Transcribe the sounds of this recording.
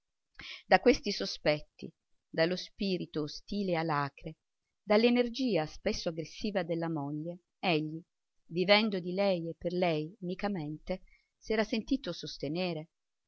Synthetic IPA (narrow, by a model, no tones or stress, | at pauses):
d̪akːwest̪isospɛt̪ːḭ | d̪alospiːɾit̪oːst̪iːlealːaːkɾe | d̪alːenerd͡ʒiːaspesːoaɡɾesːiːvad̪elːamoʎːe | eʎːi | vivɛnd̪od̪ilɛjepːerlɛjunikament̪e | sɛːɾasent̪iːt̪osost̪eneːɾe